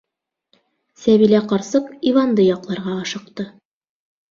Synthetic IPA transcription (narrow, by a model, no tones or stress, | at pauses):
sæβilæqɑɾsɤqivɑnd̪ɤjɑqlˠɑɾʁɑːʃɤ̆qt̪ɤ